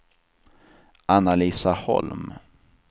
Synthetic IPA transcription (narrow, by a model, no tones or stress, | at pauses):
ʔanaliːsahɔ̰lm